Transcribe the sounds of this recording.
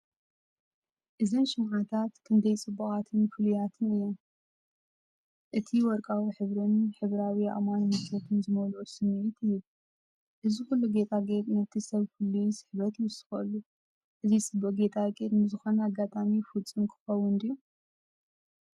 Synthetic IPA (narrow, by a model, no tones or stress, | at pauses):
ʔɨzɨnʃɪmʕat̪ʰat̪kʰɨnd̪ɐjt͡sʼɨbːuxʼat̪ʰɨnfɨlujat̪ʰɨnɨjːom | ʔɨt̪ʰiwɔɾkʼawiħɨβɾɨnħɨβɾawia̰manhɨsɐt̪ʰɨnzɨmɐlusɨmiit̪ʰɨjːu | ʔɨzixulːuɡe̞t̪ʼʰaɡet̪ʼnɐt̪ʰisɐβkʰulːusɨ̥ħβɐt̪ɨsɨ̥xɐlːu | ʔɨzisɨboɡe̞t̪ʰʼakʼiɾnɨzɨxo̞naɡːat̪ʼamifult͡sʼɨmkʰɨ̥xɐwʊnd̪ijːu